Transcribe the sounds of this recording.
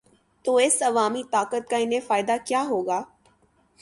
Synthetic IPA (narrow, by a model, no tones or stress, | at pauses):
t̪oːɪsɐʋaːmit̪aːkət̪̚kaɪnɦẽfaːɪd̪akjaːɦoːɡaː